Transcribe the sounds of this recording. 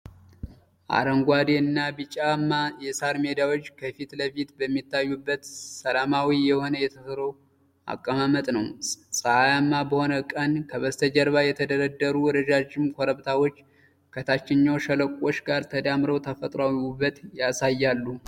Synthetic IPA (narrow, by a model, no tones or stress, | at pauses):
ʔa̰ɾəŋɡʷad̪eɨnːabɨt͡ʃʼamːajɛsaɾme̞d̪awo̞t͡ʃːkʰəfit̪ləfit̪bəmːit̪ʰːajːubːət̪səlamawijɛho̞nəjɛt̪ʰəsɾow | ʔa̰kʼːəmamət̪ʼnəwsʼəajamːabəho̞nəkʼənkʰəβəst̪ʰəd͡ʒəɾβajɛt̪ʰəd̪əɾəd̪ːəɾuwɔɾəd͡ʒad͡ʒɪmkʰoɾəβt̪ʰawo̞t͡ʃː | kʰət̪ʰat͡ʃːɪɲːawʃələkʷʼːo̞t͡ʃːɡaɾt̪ʰəd̪amɾəwt̪ʰəfət̪ʼɾawubːət̪jasajːalːu